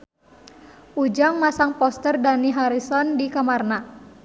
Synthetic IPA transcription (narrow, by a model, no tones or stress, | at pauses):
ʔud͡ʒaŋmasaŋpɔst̪ərdaniɦaɾisɔndikamarna